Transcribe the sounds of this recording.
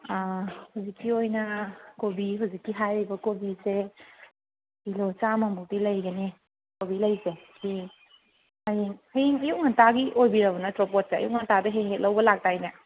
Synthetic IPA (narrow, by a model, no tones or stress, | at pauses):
ahowzikʰːiojnɐkobiɦawzikːiɦajɾibɐkobise | bilot͡ʃamɐmuk̚tilɐjɡɐni | kobilɐjseki | hajiŋhɐjiŋɐjuk̚ŋantaɡiʔojbiɾɐbɐnɐtɾopot̚seɐ̰juk̚ŋantadɐɦeɦet̚lɐwbɐlak̚tajna